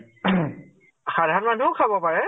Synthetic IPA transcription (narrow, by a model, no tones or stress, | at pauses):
xad̪ʱaɔtmanukʰabɔpaɹɛ